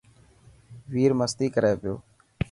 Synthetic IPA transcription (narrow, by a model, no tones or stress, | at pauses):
ʋiːɾməst̪iːkəɾeːpɪjo̰ː